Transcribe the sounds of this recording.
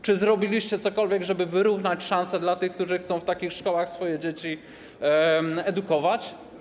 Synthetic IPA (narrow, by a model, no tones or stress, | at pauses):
t͡ʂɘzɾɔbʲilʲiɕt͡ɕɛt̪sɔkɔlvʲjɛɡʐɛbɘvɘɾuvnat͡ɕʂãnsɛd̪lat̪ɘxkt̪uʐɘxt̪sɔ̃w̃ft̪akʲixʂkɔwaxsfɔjɛd͡ʑet͡ɕi | ɛd̪ukɔvat͡ɕ